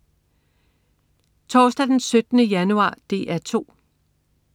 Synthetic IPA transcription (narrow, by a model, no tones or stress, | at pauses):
t͡sʰɒːsd̥æd̥ensød̥nəjænuɑ̰̈ːd̥e̝̰ːʔæɐt͡sʰo̝̰ː